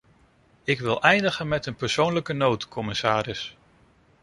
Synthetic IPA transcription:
ɪkʋɪlˠʔɛjndəχənmɛtənpəɹsownləkənowtkʰɔmɪsaːɾɪs

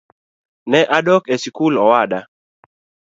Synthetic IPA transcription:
nɛʔadɔkesikulɔwada

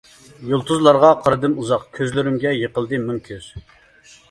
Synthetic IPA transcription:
julˠt̪ʰuzlˠɑɾʁɑqʰɑɾɨd̪ɨmuzɑqkʲʰøzlɪɾɪmɡʲɛjəqəlˠd̪ɨmymkʲʰyz̥

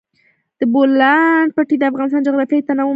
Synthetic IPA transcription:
d̪̥əbolaɳɖ̚paʈid̪əafɣɑnɪs̬t̪ɑnd͡ʒaɣɾat̪əjt̪anawo

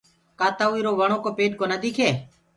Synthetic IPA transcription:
kaːt̪aːiːɾoːʋəɳ̃oːkoːpeːɖ̚koːnəd̪iːkʰeː

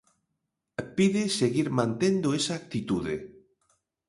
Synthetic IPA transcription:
piðeseɣiɾmãnt̪end̪oesaːk̚t̪it̪uðḛ

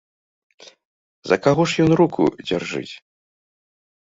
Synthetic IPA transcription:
zɐkaɣɔʂjɔnrukʰṵd͡zʲarʐɨ̰t͡sʲ

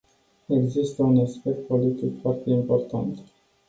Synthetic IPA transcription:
e̞ɡzist̪əunaspe̞k̚t̪̚po̞lit̪ikfoart̪e̞impo̞rt̪ant̪

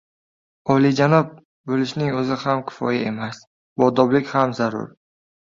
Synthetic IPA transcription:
ɒlid͡ʒanɒp̚ | bolɪʃnɪŋɵzɪhamkʲʰɪ̥fɒ̰jae̞mas | bɒd̪ɒblɪkʲhamzaɾʊ̰ɾ

